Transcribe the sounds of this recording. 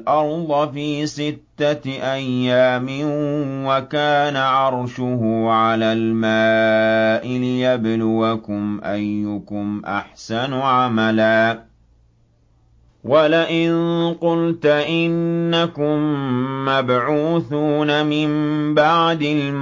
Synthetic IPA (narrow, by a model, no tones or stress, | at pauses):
ʔɑɾˤd̪ˤɑfiːsɪt̪ːaʔajːaːmɪnwakaːnaʕɑɾˤʃʊhʊʕalaːlmaːʔɪlɪjablʊwakʊmʔajːʊkʊmʔa̰ħsanʊʕamalaː | wʔalaʔɪnqʊlt̪ʔɪnːakʊmːabʕuːθuːnamɪmbaʕd̪ɪlm